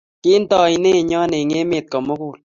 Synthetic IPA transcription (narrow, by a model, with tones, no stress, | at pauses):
ki˦n˦tɔ˨i˨ne˦˨ɲɔ˦ne˨ŋe˦me˨t̚kɔ˨mo˦ku˦˨l